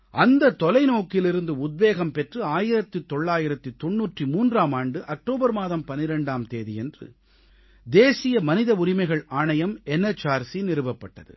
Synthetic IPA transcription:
ʔɐnd̪ɐt̪ːɔlɐɪnoːkɪlɪɾɯnd̪ɯʊd̪̚beːɣɐmpɛʈrɯaːjɪɾɐt̪ːɯt̪ːɔɭːaːjɪɾɐt̪ːɯt̪ːɔɳːuːʈrimuːndraːmaːɳɖɯʔɐk̚ʈoːbɐɾmaːðɐmpɐnːɪɾɐɳɖaːmt̪eːðijɛndrɯ̰ | d̪eːsɪjɐmɐnɪðɐʊɾɪmɐɪɣɐɭaːɳɐjɐmɛnɛt͡ʃːaːɾsinɪɾɯbɐpːɐʈːɐðɯ̰

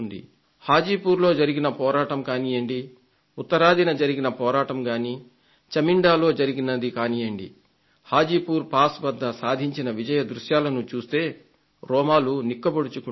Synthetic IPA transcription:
nd̪ḭ | haːd͡ʒiːpuːɾlo̞ːd͡ʒɐɾiɡinɐpɔːɾaːʈɐmkaːnijɐɳɖi | ut̪ːɐɾaːd̪ʱinɐd͡ʒɐɾiɡinɐpɔːɾaːʈɐmɡaːniː | t͡ʃɐmiɳɖaːlo̞ːd͡ʒɐɾiɡinɐd̪ikaːnijɐɳɖḭ | haːd͡ʒiːpuːɾpaːsbɐd̪ːɐsaːd̪ʱiɲt͡ʃinɐʋid͡ʒɐjɐd̪ɾuʃjaːlɐnut͡ʃuːst̪e̞ː | ɾɔːmaːlunikːɐboɽut͡ʃuku

